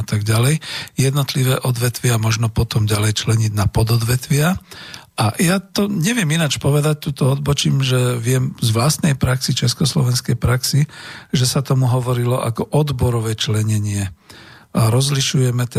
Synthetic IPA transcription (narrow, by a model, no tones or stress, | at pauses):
t̪aɡɟalɛjjɛd̪nɔt̪liʋɛːʔɔd̪ʋɛt̪ʋɪamɔʒnɔpɔt̪ɔmɟalɛjt͡ʃlɛɲiɟnapɔd̪ɔd̪ʋɛt̪ʋɪaʔajat̪ɔɲɛʋɪɛminat͡ʃpɔʋɛd̪ac̚t̪uːt̪ɔɔd̪bɔt͡ʃiːmʒɛʋɪɛmzʋlast̪nɛjpɾaksit͡ʃɛskɔslɔʋɛnskɛjpɾaksiʒɛsat̪ɔmuɦɔʋɔɾilɔʔakɔʔɔd̪bɔɾɔʋɛːt͡ʃlɛɲɛɲɪɛ | ɾɔzliʃujɛmɛt̪